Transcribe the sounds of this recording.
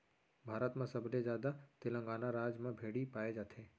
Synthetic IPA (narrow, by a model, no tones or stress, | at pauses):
bʱaːɾət̪mẽsɐblezjaːd̪at̪ɪlə̃ŋɡaːnaɾaːd͡ʒmẽbʱeːɽipaːed͡ʒaːt̪ʰeː